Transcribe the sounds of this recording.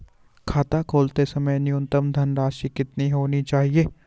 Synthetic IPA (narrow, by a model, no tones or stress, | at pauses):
kʰaːt̪akʰoːlt̪esɐməjnɪjʊ̃nt̪əmd̪ʱɐnɾaːʃikɪt̪niɦoːnit͡ʃaːɦieː